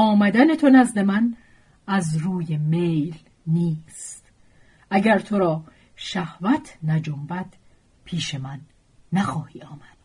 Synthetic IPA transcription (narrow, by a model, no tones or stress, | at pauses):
ɒːmæd̪ænet̪ʰo̞næzd̪e̞mæn | æzɾuːjemejl | niːst̪ | ʔæɟæɾt̪ʰo̞ɾɒː | ʃæhvæt̪ʰnæd͡ʒombæd̪̥ | pʰiːʃemænː | æxɒːhiːɒːmæd̪̥